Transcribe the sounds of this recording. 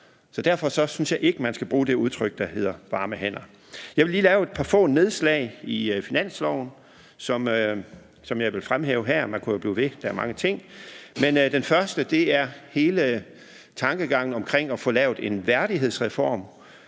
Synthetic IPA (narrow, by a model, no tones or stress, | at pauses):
sɒ̽d̥æɐ̰fɒ̽sɒ̽synsjɑ̈ɪʔe̝ɡ̥əmænsɡ̥æb̥ʁuːd̥e̝uðˠt͡sʰʁœɡ̥̚d̥ɑ̈he̝ð̰ˠɐʋɑ̈ːməɦen̰ɐ | jɑɪʋe̝liːlɛːʊe̝d̥̚pʰɑ̈fɔ̰̽ːne̝ð̞ˠslɛ̰ɪifinæn̰slɒʊn̩ | sɒ̽m | sɒ̽mjɑ̈ɪʋe̝lfʁamɦɛ̰ːʊɦæɐ̰mænkʰujob̥liːʋe̝d̥æɐmɑ̈ŋət͡sʰe̝ŋ̰mend̥enfɶɐsd̥əd̥e̝æɐhe̝ːlə | t͡sʰɑ̈ŋɡ̥əɡ̥ɑ̈ŋ̰n̩ɒ̽mkʰʁeŋ̰ɒ̽fɔ̽lɛʊð̥ˠe̝nʋæɐɾ̥iɦe̝ð̞̰ˠsʁɛfɒːm